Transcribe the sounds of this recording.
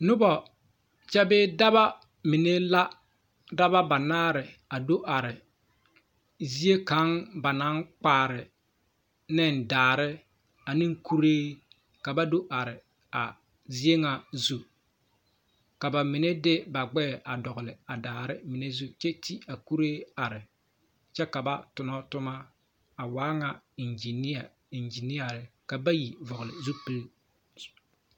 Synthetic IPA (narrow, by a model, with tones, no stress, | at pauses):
nʊ˦bɔ˨ | t͡ʃɛ˦bɪː˦da˦ba˦ | mɪ˨ne˦la˦ | da˦ba˦ba˨naː˦ɾɪ˨a˨do˦ʔa˨ɾɪ˨ | zi˦e˦ka˨˦ŋba˨na˦ŋk͡paː˦˨ɾɪ˨ | nɪ˦ndaː˨ɾɪ˦ | a˨nɪ˦ŋku˦ɾeː˦ | ka˨ba˦do˦ʔa˨ɾɪ˨ | a̰˨ | zi˦e˦ŋa˨zu˦ | ka˨ba˨mɪ˨ne˦dɪ˦ba˨ɡ͡bɛː˦˨ʔa˨dɔ˨ɣʊ˨lɪ˨a˨daː˨ɾɪ˦mɪ˨ne˦zu˦t͡ʃɛ˦ti˦a˨ku˦ɾeː˦a˨ɾɪ˨ | t͡ʃɛ˦ka˨ba˦tʊ˨nɔ˦tʊ˦ma˦ | a˨waː˦ŋa˦i˨nd͡ʒi˨ni˦a˨ | i˨nd͡ʒi˨ni˦ja˨ɾɪ˨ka˨ba˦ji˨vɔ˨ɣʊ˨lɪ˨zu˦pi˦l